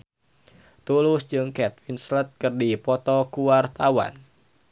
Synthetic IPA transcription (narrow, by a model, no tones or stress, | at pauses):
t̪ulʊsd͡ʒɨŋkɛt̪̚winslət̪̚kɨrdipɔt̪ɔkuwart̪awa̰n